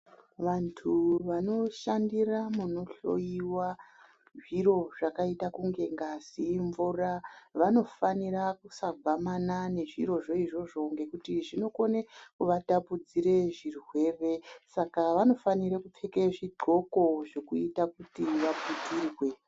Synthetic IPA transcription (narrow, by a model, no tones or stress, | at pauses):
ʋantʰuʋano̞ʃandiramuno̞ɬo̞̰jiwa | ʐiro̞ʐakaitakuŋɡe̞ŋɡasiɱvuraʋano̞faniɾakusaɡʱwamanane̞ʐiɾo̞ʐo̞iʐo̞ʐo̞ŋɡe̞kutiʐino̞ko̞nekuʋatapud͡ziɾe̞ʐirwe̞ːre̞sakaʋano̞faniɾakup͡fekeʐiɡ͡ǃʱo̞ko̞ʐe̞kuitakutiʋabutirwe̞